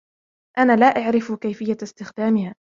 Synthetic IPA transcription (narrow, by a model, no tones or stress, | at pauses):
ʔanaːlaːʔaʕɾɪfkajfɪjːast̪ɪxd̪aːmɪhaː